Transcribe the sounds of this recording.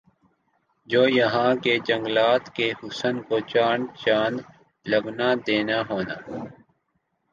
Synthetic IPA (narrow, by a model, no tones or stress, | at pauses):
d͡ʒoːjɐɦãːket͡ʃɐŋɡlaːt̪kehʊsənkoːt͡ʃaːnt͡ʃãːnd̪ | lɐɡnad̪eːnaɦoːna̰ː